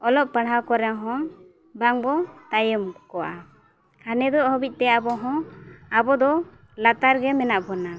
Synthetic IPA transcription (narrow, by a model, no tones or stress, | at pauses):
ɔlɔp̚paɽɦawkɔɾɛɦɔ̃ | baŋbɔt̪ajəmkɔwa | kʰanɛd̪ɔʔhɔbic̚ˀt̪ɛabɔɦɔ̃abɔd̪ɔ | lat̪aɾɡɛmɛnaʔbɔna